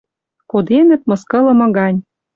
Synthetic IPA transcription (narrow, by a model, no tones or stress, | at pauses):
kod̪enə̆t̪̚mɤ̆skɤ̆lɤ̆mɤ̆ɣɑnʲ